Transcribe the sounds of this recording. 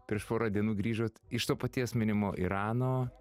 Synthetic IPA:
pʲɾʲiɛʃpoːɾɑːd̪ʲiɛnuːɡɾʲiːʒoːt̪ɪʃt̪oːpɐt̪ʲiɛsmʲɪnʲɪmoːʔḭɾɑːnoː

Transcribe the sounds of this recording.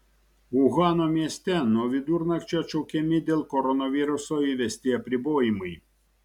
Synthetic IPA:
uɣɑnɔmʲiɛsʲt̪ʲɛnɔʋʲid̪uɾnɐkt͡ʃʲɛt͡ʃɔwkʲɛmʲɪd̪ʲɛlˠkɔɾɔnɔʋʲiɾʊsɔiʋʲɛsʲt̪ʲiɐpʲɾʲɪbɔːjimɨj

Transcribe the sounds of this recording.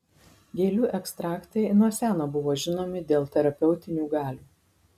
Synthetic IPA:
ɡʲeːlʲuːʔɛkst̪ɾɑːkt̪ɐɪnuɔsʲæːnoːbʊʋoːʒʲɪnoːmʲɪd̪ʲeːlˠt̪ʲɛɾɐpʲɛʊt̪ʲɪnʲuːɡɑːlʲuː

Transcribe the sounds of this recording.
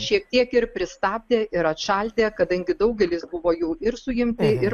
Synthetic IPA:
ʃʲiɛk̚t̪ʲiɛkɪɾpʲɾʲɪst̪ɑːb̚ʲd̪ʲeːɪɾɐt̪ʃɐlʲd̪ʲeːkɐd̪ɐŋʲɡʲɪd̪ɐʊɡʲɛlʲɪsbʊʋoːjɛːɪɾsʊjɪmʲt̪ʲɪɪɾ

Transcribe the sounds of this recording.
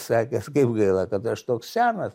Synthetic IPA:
sɑːkʲɛskɐɪpɡɐɪlˠɐkɐt̪ɐʃt̪oːkssʲæːnɐs

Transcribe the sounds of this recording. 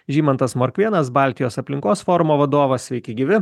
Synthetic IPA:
ʒʲiːmɐnt̪ɐsmoɾʲkʲʋʲiɛnɐsbɑˑlʲt̪ʲɪjoːsɐpʲlʲɪŋkoːsfɔːɾʊmoːʋɐd̪oːʋɐsʲʋʲɛɪkʲɛɪɡʲiʋʲɪ

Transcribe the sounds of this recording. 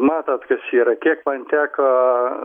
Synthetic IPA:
mɑːt̪ɐt̪kɐsiːɾɐkʲiɛkmɐnt̪ʲæːkɐ

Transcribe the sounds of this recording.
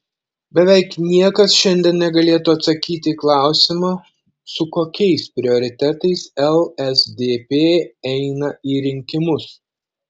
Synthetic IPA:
bʲɛʋʲɛɪknʲiɛkɐsʃʲɛnʲd̪ʲɛnnʲɛɡɐlʲeːt̪ʊɐt̪sɐkʲiːt̪ʲɪklˠɑˑʊsʲɪmɑː | sʊkoːkʲɛɪspʲɾʲɪoːɾʲɪt̪ʲæt̪ɐɪsɛlˠɛzd̪ʲeːpʲeːɛɪnɐiːɾʲɪŋʲkʲɪmʊs

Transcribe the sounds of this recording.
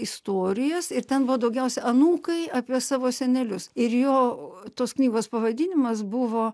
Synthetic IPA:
ɪst̪oːɾʲɪjɛsɪɾt̪ʲɛnbʊʋoːd̪ɐʊɡʲɛʊsʲɛʔɐnuːkɐɪɑːpʲiɛsɑːʋoːsʲɛnʲɛlʲʊsɪɾjoːt̪oːsknʲiːɡoːspɐʋɐd̪ʲɪnʲɪmɐsbʊʋoː

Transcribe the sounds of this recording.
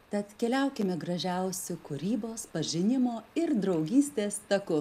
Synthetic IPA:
t̪ɐt̪kʲɛlʲæˑʊkʲɪmʲɛɡɾɐʒʲæˑʊsʲʊkʊɾʲiːboːspɐʒʲɪnʲɪmoːɪɾd̪ɾɒʊɡʲiːsʲt̪ʲeːst̪ɐkʊ

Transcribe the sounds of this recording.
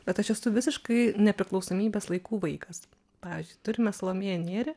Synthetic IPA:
bʲɛt̪ɐʃɛsʊʋʲɪsʲɪʃkɐɪnʲɛpʲɾʲɪklˠɒʊsoːmʲiːbʲɛːslˠɐɪkuːʋɐɪkɐs | pɑːʋʲɪzʲd͡ʒʲʊɪt̪ʊɾʲɪmʲɛslˠoːmʲeːjnʲeːɾʲɪ

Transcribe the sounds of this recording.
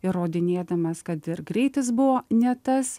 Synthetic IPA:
ɪoːd̪ʲɪnʲeːd̪ɐmɐskɐt̪ɪɾɡɾʲɛɪt̪ʲɪs̬bʊʋoːnʲɛt̪ɐs

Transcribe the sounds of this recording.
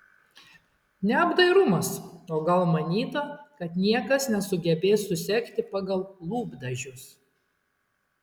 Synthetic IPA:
nʲɛɐbd̪ɐɪɾʊmɐsoːɡɐlˠmɐnʲiːt̪okɐt̪nʲiɛkɐsnʲɛsʊɡʲɛbʲeːsːʊsʲɛkt̪ʲɪpɑɡɐlˠlˠuːbd̪ɐʒʲʊs

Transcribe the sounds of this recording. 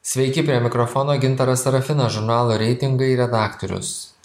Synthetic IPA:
sʲʋʲɛɪkʲɪpʲɾʲiɛmʲɪkɾɔfɔnoːɡʲɪnt̪ɐɾɐsɐɾɐfʲɪnɐʒʊɾnɑːlˠoːɾʲɛɪt̪ʲɪŋɡɐɪɾʲɛd̪ɑːkt̪ɔɾʲʊ̰s

